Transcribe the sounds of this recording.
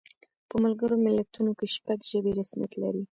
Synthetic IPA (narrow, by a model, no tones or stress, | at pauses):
pəmalɡəɾomɪlːat̪unokeʃpaɡʒəbeɾasmija̰t̪la̰ɾi